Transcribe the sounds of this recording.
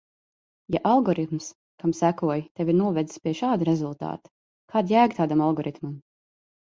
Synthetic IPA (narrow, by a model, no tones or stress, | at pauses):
jaʔalˠɡɔɾit̪ms | kamsækuɔjt̪ɛviɾnuɔvɛd̪zi̥spʲiɛʃaːd̪ɾɛzulˠt̪a̰ːt̪ | kʰaːd̪jæːɡt̪aːd̪amalˠɡɔɾit̪mam